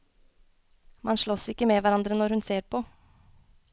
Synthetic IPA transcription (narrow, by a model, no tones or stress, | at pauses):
mɑnʃʂɭɔsɪkːəmɛʋæɾɑnd̪ɾənɔɾhʉnseːɾpʰɔ